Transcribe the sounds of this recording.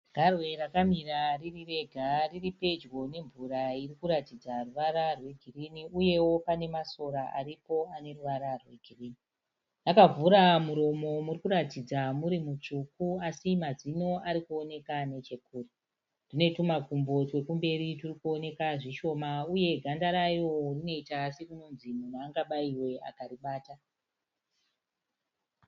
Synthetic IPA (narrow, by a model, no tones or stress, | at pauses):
ɡ̥ʱarwe̞rakamiraririre̞ɡʱariripe̞d͡ʒwo̞ne̞ɱvuɾairikuɾatid͡zaruʋaɾarwe̞ɡʱiriniuje̞wo̞pane̞maso̞ɾaʔa̰ɾipo̞ane̞ruʋaɾarwe̞ɡʱiriːni | nakavuɾamuɾo̞mo̞murikuɾatid͡zamuɾimut͡ʂukuasimazino̞aɾikuo̞ne̞kane̞t͡ʃe̞kuːri | d̥ine̞tumakumbo̞twe̞kumbe̞ɾiturikuo̞ne̞kaʐiʃo̞mauje̞ɡʱandaɾaijorino̞itasiruno̞nzimunaːŋɡaɓaiwe̞a̰kaɾiɓaːta